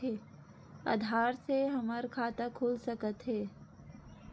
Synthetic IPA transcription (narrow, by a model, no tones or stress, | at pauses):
eː | a̰ːd̪ʱaːɾseɦɐməɾkʰaːt̪akʰuːlsəkət̪ɦɛː